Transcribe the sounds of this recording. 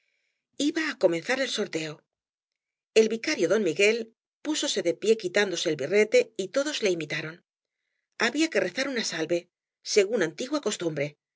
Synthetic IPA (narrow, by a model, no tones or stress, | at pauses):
iβaːko̞me̞nθaɾe̞lso̞ɾt̪e̞o̞ | e̞lβikaɾjo̞ðo̞nmiɣe̞l | puso̞se̞ðe̞pje̞kit̪and̪o̞se̞ːlβire̞t̪e̞it̪o̞ðo̞zle̞imit̪aɾo̞n | aβiake̞re̞θaɾunasalβe̞ | se̞ɣunant̪iɣwako̞st̪umbɾe̞